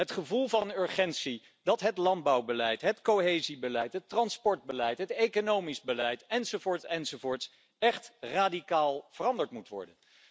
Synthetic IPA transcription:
ɦətχəvulˠvɑnʏɹχɛntsi | dɑtɦətlɑnd̚bɑwbəlɛjtɦətkowɦejzibəlɛjtɦətrɑnspɔɹd̚bəlɛjtɦətejkonowmizbəlɛjtɛnzovʊːɹtsɛnzovʊːɹts | ɛχtraːdikaːlˠv̥ərɑndəɹtmutʋɔ̰ɹdən

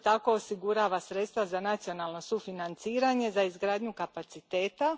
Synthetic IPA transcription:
t̪ako̞osiɡuɾaːʋasɾet̪st̪ʋazanat̪sio̞naːlˠno̞sufinant̪siːɾaɲe̞zaizɡɾaːd̪ɲukapat̪sit̪e̞ːt̪a

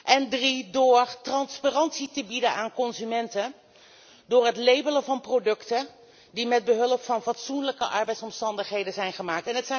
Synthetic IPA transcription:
ʔɛndridʊːɹtrɑnspaːrɑntsitəbidənaːnkɔnzymɛntə | dʊːɹɦətlejbələvɑnprowdɵktə | dimɛd̚bəɦɵləpfɑnfɑtsunləkəʔɑɹbɛjtsɔmstɑndəχɦejdəzɛjnχəmaːk̚tɛnɦətsɛ

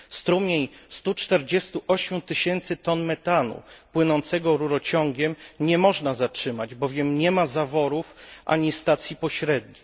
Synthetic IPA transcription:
st̪ɾumʲjeɲst̪ut͡ʂt̪ɛɾd͡ʑɛst̪uʔɔɕmʲjut̪ɘɕɛnt̪sɘt̪ɔnmɛt̪anṵpwɘnɔnt̪sɛɡɔɾuɾɔt͡ɕɔŋɡʲɛmɲɛmɔʐnazat͡ʂʂɘmad͡ʑbɔvʲjɛmɲɛmazavɔɾufʔa̰ɲist̪at̪sʲjipɔɕɾɛd̪̚ɲi

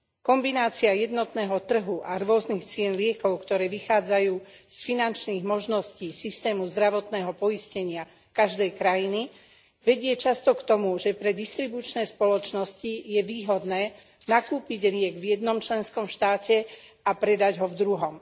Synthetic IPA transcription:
kɔmbinaːt͡siajɛd̪nɔt̪nɛːɦɔt̪r̩ɦuʔaɾʊɔznixt͡sɪɛnlɪɛkɔʊkt̪ɔɾɛːʋixaːd͡zajuːsfinant͡ʃniːɣmɔʒnɔsciːsist̪ɛːmuzd̪ɾaʋɔt̪nɛːɦɔpɔiscɛɲɪa | kaʒd̪ɛjkɾajini | ʋɛɟɪɛt͡ʃast̪ɔkt̪ɔmuʒɛpɾɛd̪ist̪ɾibut͡ʃnɛːspɔlɔt͡ʃnɔscijɛʋiːɦɔd̪nɛː | nakuːpiɟlɪɛɡvjɛd̪nɔmt͡ʃlɛnskɔmʃt̪aːcɛ | apɾɛd̪aɟɦɔvd̪ɾuɦɔm

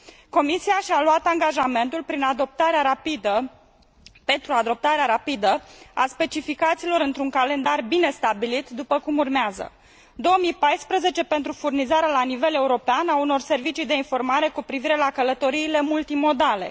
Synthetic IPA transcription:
ko̞misiaʃialwat̪aŋɡaʒame̞nt̪ulpɾinad̪op̚t̪aɾeaapid̪ə | pent̪ɾuad̪o̞p̚t̪aɾeaɾapid̪əa̰spe̞t͡ʃifikat̪silo̞ɾɨnt̪ɾuŋkale̞nd̪arbine̞st̪abilit̪d̪upəkumurmeazə̰ | d̪o̞omijpajspɾəze̞t͡ʃe̞pe̞nt̪ɾufurnizaɾealanive̞le̞uɾo̞peanauno̞rse̞rvit͡ʃijd̪e̞info̞rmaɾe̞kupɾiviɾe̞lakələt̪o̞ɾiːle̞mult̪imo̞d̪ale̞̰

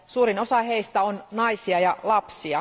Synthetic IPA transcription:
suːɾino̞sɑɦe̞ist̪æonnɑjsiɑjɑlɑpsiɑ

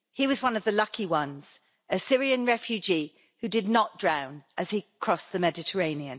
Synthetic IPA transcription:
hiwɒzwʌ̃nəvðəlʌkʰiwʌ̃nz̥ | əsɪɹiə̃nɹɛfjʉd͡ʒi | hʉdɪdⁿnəʔd̥ɹãʊ̃nʔəz̥ikʰɹ̥ɒsðəmɛdɪtʰəɹẽɪ̃niə̃n

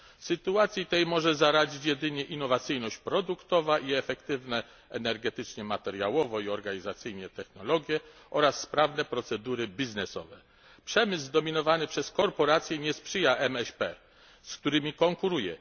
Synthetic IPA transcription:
sɘt̪uat̪sʲjit̪ɛjmɔʐɛzaɾad͡ʑit͡ɕjɛd̪ɘɲɛʔinːɔvat̪sɘjnɔɕt͡ɕpɾɔd̪ukt̪ɔvaʔiɛfɛkt̪ɘvnɛ | ɛnɛɾɡɛt̪ɘt͡ʂɲɛmat̪ɛɾjawɔvɔiɔɾɡaɲizat̪sɘjɲɛt̪ɛxnɔlɔɡʲjɛʔɔɾasːpɾavnɛpɾɔt̪sɛd̪uɾɘbʲiznɛsɔ̰vɛ̰ | pʂɛmɘzd̪ɔmʲinɔvanɘpʂɛskɔɾpɔɾat̪sʲjɛɲɛspʂɘjaʔɛmɛɕpɛ | skt̪uɾɘmʲikɔŋkuɾujɛ̰

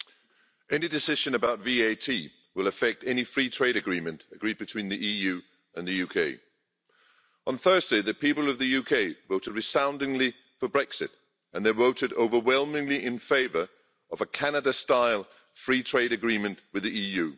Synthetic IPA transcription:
ɛnidɪsɪʒə̃nəbaʊtviːeɪtʰiː | wɪləfɛk̚tɛnifɹiːtʰɹ̥eɪɾɨɡɹĩmə̃ntəɡɹiːd̚bɨtʰw̥ĩnðiʔiːjʉː | ə̃nðəjʉkʰeɪ | ə̃nθɜːzdeɪðəpʰiˑpəlˠəvðəjʉkʰeɪvoʊtɪd̚ɹɨsãʊ̃ndɪ̃ŋli | fəbɹɛksɪt | ə̃nðəvoʊtɪdo̰ʊvəwɛlˠmɪ̃ŋliʔɪ̃nfeɪvə˞ | əvəkʰanədəstaɪlˠ | fɹiːtʰɹ̥eɪɾɨɡɹĩːmə̃nʔwɨðiiːjʉː

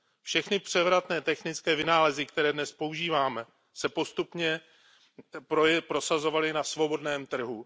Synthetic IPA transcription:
fʃɛxnɪpr̝̥ɛvɾat̪nɛːt̪ɛxnɪt͡skɛːvɪnaːlɛzɪkt̪ɛɾɛːdnɛspo̞uʒiːvaːmɛ | sɛpo̞st̪upɲɛ | popɾo̞sazo̞valɪnasvo̞bo̞dnɛːmt̪r̩ɦu

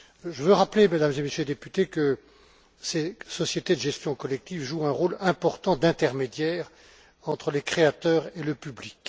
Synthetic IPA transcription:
ʒəvøʁaplemad̪amzemesjøled̪epyt̪ekə | sesɔsjet̪ed̪əʒɛst̪jɔ̃kɔlɛk̚t̪ivʒuɛ̃ʁolɛ̃pɔʁt̪ɑ̃d̪ɛ̃t̪ɛʁmed̪jɛːʁ | ɑ̃t̪χəlekχeat̪œːʁeləpyblik

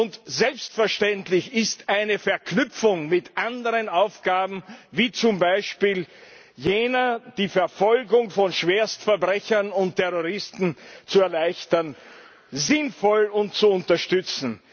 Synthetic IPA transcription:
ʊntzɛlpstfɛɐʃtɛntlɪçɪstʔaɪnəfɛɐknʏpp͡fʊŋmɪtʔandəʁənaʊfɡ̥aːbm̩viːt͡sʊmbaɪʃpiːl | jeːnɐd̥iːfɛɐfɔlɡʊŋfɔnʃv̥eːɐstfɛɐbʁɛçɐnʊntʰːɛʁoʁɪstn̩t͡suɛɐlaɪçtɐn | zɪnfɔlʊnt̚t͡suʊntɐʃtʏt͡sn̩

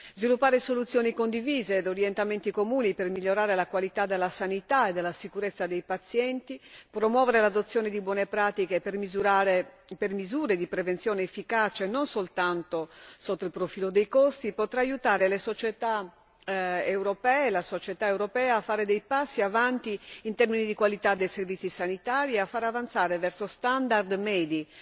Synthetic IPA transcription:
zvilupːaːɾesolut̪sːjoːnikond̪iviːzeːd̪oɾjɛnt̪ament̪ikomuːnipermiʎːoɾaːɾelakwalit̪ad̪elːasanit̪aed̪elːasikuɾet̪sːad̪ejpat̪sjɛnt̪ipɾomwɔːveɾelad̪ot̪sːjɔːned̪ibwɔnepɾaːt̪ikepermzuɾaɾepermizuːɾed̪ipɾevent̪sjɔːneːfːikaːt͡ʃenːonsolt̪ant̪osot̪ːoilpɾofiːlod̪ejkost̪ipot̪ɾaajut̪aːɾelesot͡ʃɛt̪a | ewɾopɛːlasot͡ʃɛt̪aewɾopɛːaːfːaːɾed̪ejpasːiavant̪iːnt̪ɛrminid̪ikwalit̪ad̪ːejservit̪sːisanit̪aːɾiɛafːaːɾeavant̪saːɾevɛrsost̪and̪ard̪mɛːd̪i

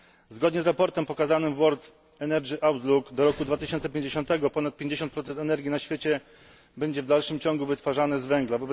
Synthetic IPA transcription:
zɡɔd̪ɲɛzɾapɔɾt̪ɛmpɔkazanɘmvwɔɾt̪ | ɛnɛɾd͡ʒiʔawt̪lukd̪ɔɾɔkud̪vat̪ɘɪɕɔnt̪sɛpʲjẽɲd͡ʑeɕɔ̃nt̪ɛɡɔpɔnat̪̚pʲjeɲd͡ʑeɕɔnt̪pɾɔt̪sɛnt̪ɛnɛɾɡʲinaɕfʲjet͡ɕɛ | bɛɲd͡ʑɛvd̪alʂɘmt͡ɕɔ̃ŋɡuvɘt̪faʐanɘzvɛŋɡlavɔbɛ

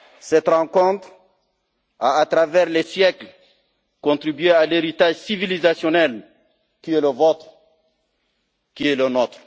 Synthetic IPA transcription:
sɛt̪ʁɑ̃kɔ̃t̪χ | aːt̪ʁavɛʁlɛsjɛkl | kɔ̃t̪ʁibɥealeʁit̪aʒsivilizasjɔnɛl | kiɛləvɔt̪χ | kiɛlənot̪χ

